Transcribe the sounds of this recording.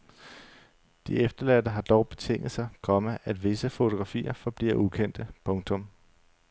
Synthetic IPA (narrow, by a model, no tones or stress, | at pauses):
d̥iefd̥ɐlæd̥əɦɑ̈d̥ɒʊb̥e̝t͡sʰeŋ̰ð̩ˠsɑ̈ɪkʰɒ̽məʔæd̥ʋe̝səfo̝t͡sʰo̝ɡ̥ʁɑ̈fḭːɐfɒ̽b̥lḭɐʔukʰen̰d̥əpʰɔ̽ŋt͡sʰɔ̽m